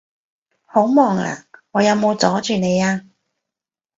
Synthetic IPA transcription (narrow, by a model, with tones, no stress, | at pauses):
ho˨˥wmɔː˨ŋla̰ː˨˩ŋɔː˨˧jɐ˨˧wmo˨˧wt͡sɔː˨˥t͡ʃyː˨ne˨˧jaː˧